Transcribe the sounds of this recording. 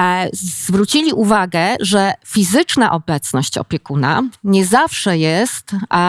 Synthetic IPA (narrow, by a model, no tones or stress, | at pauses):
zvɾut͡ɕilʲiʔuvaɡɛʐɛfʲizɘt͡ʂnaʔɔbɛt̪snɔɕt͡ɕɔ̰pʲjɛkuna̰ɲɛzafʂɛjɛst̪